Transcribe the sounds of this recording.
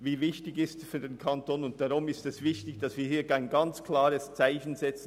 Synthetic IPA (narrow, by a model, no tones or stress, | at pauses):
viːvɪçtɪɡɪstfyːɐdeːnkʰantoːnʊnt̚d̥aʁʊmɪstɛsvɪçtɪçd̥ɑsviːɐhiːɐɡaɪnɡɑnt͡skʰl̥aːʁəst͡saɪçən̩zɛt͡sn̩